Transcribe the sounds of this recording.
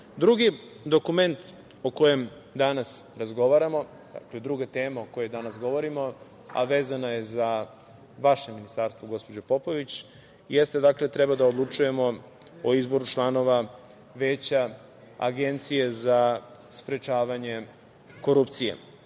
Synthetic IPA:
d̪ɾuɡi | d̪o̞kume̞nt̪ | oko̞je̞m | d̪anasɾazɡo̞ʋaɾamo̞ | d̪a̰kled̪ɾuɡat̪e̞ːmaoko̞jod̪anasɡo̞ʋoɾimo̞ | a̰ʋe̞ːzanaje̞za | ʋaʃeminist̪aɾst̪voɡo̞spo̞d͡ʑopo̞po̞ʋit͡ɕ | jest̪e̞d̪aklet̪ɾɛbad̪aod̪lˠut͡ʃuje̞mo̞ | oizbo̞ɾut͡ʃlˠano̞ʋa | ʋe̞ːt͡ɕa | a̰ɡe̞nt̪sije̞za | spɾe̞t͡ʃaːʋaɲe̞ | ko̞ɾupt̪sijḛ

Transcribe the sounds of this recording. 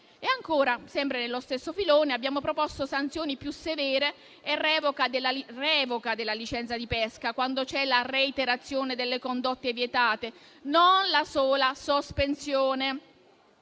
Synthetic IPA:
eaŋkoːɾasɛmpɾenelːost̪esːofiloːneabːjaːmopɾopɔst̪osant̪sjoːnipjusevɛːɾe | erːɛːvokad̪elːarɛːvokad̪elːalit͡ʃɛnt̪sad̪ipɛskakwand̪ot͡ʃɛlareit̪eɾat̪sːjoːned̪elːekond̪ot̪ːevjet̪aːt̪e | nonlasoːlasospensjoːne

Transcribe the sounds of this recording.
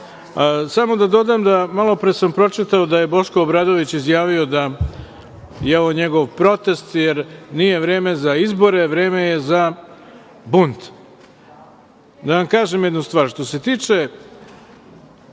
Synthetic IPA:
samo̞d̪ad̪o̞d̪aːmd̪amalo̞pɾesampɾo̞t͡ʂit̪aod̪aje̞bo̞ʃko̞ːbɾaːd̪o̞ʋit͡ɕizjaːʋio̞d̪a | jeoʋoɲe̞ɡo̞ʋpɾo̞t̪e̞st̪jeɾniːje̞ʋɾeːme̞zaizbo̞ɾe̞ʋɾe̞ːme̞je̞za | bunt̪ | d̪aʋamkaːʒemjed̪nust̪ʋaːɾʃt̪o̞se̞t̪iːt͡ʂe̞

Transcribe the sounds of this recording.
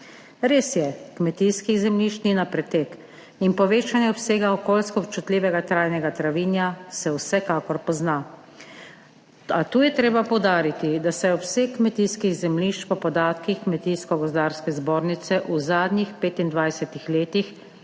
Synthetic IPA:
ɾeːsjɛkmɛt̪iskizɛmliʃt̪ninapɾɛt̪ek | inpɔʋeːt͡ʃanjɛɔpseːɡaɔkoːlskɔpt͡ʃut̪liːʋɛɡat̪ɾaːjnɛɡat̪ɾaʋiːnjasɛwsɛkaːkɔɾpɔzna | at̪uːjɛt̪ɾeːbapɔwd̪aːɾit̪id̪asɛɔpsexmɛt̪iːskiɣzɛmliʃt͡ʃpɔpɔd̪aːt̪kixkmɛt̪iːskɔɡɔzd̪aːɾskɛzboːɾnit̪sɛʔuzaːd̪nʲixpeːt̪ind̪ʋajsɛt̪ixleːt̪ix

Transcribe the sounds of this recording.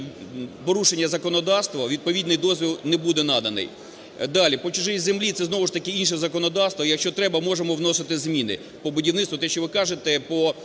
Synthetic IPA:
pɔɾuʃenʲːɐzɐkɔnɔd̪ɑst̪ʋɐʋʲid̪̚pɔʋʲid̪nɪjd̪ɔzʲʋʲilˠnɛbud̪ɛnɑd̪ɐnɪ̰j | d̪ɑlʲipɔt͡ʃʊʒɪzemlʲit̪sɛznɔʋʊʃt̪ɐkɪinʃɛzɐkɔnɔd̪ɑst̪ʋɔjɐkʃt͡ʃɔt̪ɾɛbɐmɔʒemɔwnɔsɪt̪ɪzmʲinɪ̰ | pɔbʊdʲiwnɪt̪t̪ʋʊt̪ɛʃt͡ʃɔʋɪkɑʒet̪ɛpɔ

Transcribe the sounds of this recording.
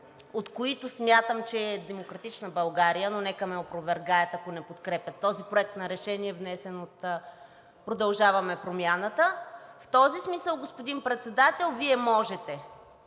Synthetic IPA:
ot̪koit̪ʊsmʲjat̪əmt͡ʃɛːd̪ɛmokɾɐt̪it͡ʃnəbɐlˠɡaɾijənonɛkəmɛopɾovɛɾɡaɛt̪ɐkonɛpot̪kɾɛpʲjɐt̪ːɔzipɾoɛk̚t̪nɐɾɛʃɛniɛvnɛsɛnot̪ | pɾod̪ɐlˠʒavɐmɛpɾomʲjanət̪əft̪ɔzismisəlˠɡospod̪inpɾɛt̪sɛd̪at̪ɛlˠviɛmɔʒɛt̪ɛ

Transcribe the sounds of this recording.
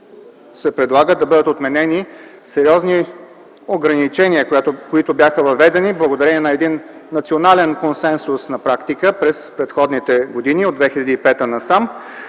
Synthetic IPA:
sɛpɾɛd̪lˠaɡəd̪ɐbɤd̪ət̪ot̪mɛnɛni | sɛɾiɔzni | oɡɾɐnit͡ʃɛniəkojat̪okoit̪objaxəvɐvɛd̪ɛniblˠəɡod̪ɐɾɛniɛnɐɛd̪inːɐt̪sionalɛnkonsɛnsʊsnɐpɾakt̪ikəpɾɛspɾɛt̪xɔd̪nit̪ɛɡod̪iniod̪vɛxilʲɐd̪iːpɛt̪ənɐsam

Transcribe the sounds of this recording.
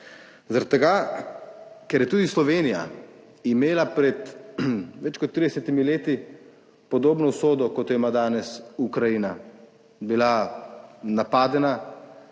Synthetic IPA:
zaɾad̪̚t̪ːɛɡa | kɛɾjɛt̪uːd̪islɔʋeːnija̰ | imeːlapɾɛt̪ | ʋɛt͡ʃkɔt̪ːɾid̪ɛsɛt̪imileːt̪i | pɔd̪oːbnɔwsoːd̪ɔkɔt̪jɔjimad̪aːnɛsukɾajiːna | bila | napaːd̪ɛna

